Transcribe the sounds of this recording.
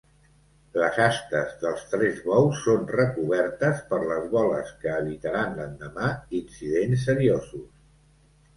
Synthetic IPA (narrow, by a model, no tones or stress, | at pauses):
ləzast̪əzðəlˠst̪ɾɛzβɔwsːonrəkuβɛrt̪əspəɾləzβɔlə̰skəːβit̪əɾanlənd̪əmainsiðens̬ːəɾiozus